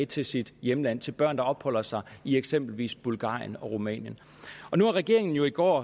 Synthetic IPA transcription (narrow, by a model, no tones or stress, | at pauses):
t͡sʰe̝lsid̥jeməlæn̰t͡sʰe̝lb̥ɶɐ̰nd̥ɑ̈ɒ̽b̥hɒ̽l̰ɐsɑ̈ɪieɡ̥semb̥l̩ʋḭːsb̥ulɡ̥ɑ̰̈ːjənɒ̽ʁumɛ̰ːnjən | ɒ̽nuæɐʁɛɡ̥e̝ɐe̝ŋn̩jo̝iɡ̥ɒ̰ː